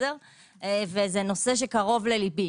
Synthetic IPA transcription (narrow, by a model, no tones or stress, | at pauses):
eʁ | evezeno̞seʃ̬ekaʁo̞vlelibi